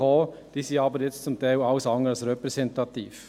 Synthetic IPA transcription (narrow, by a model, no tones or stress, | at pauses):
oː | d̥iːsiːɑːbəɾjɛt͡stt͡sʊmt̪ʰaɪlɑʊsɑŋəɑlsɾɛpɾɛsɛnt̪ɑt̪iːf